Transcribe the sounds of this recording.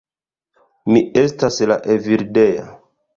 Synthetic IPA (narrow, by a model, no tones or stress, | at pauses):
mie̞stasla̰ʔeviɾdeja̰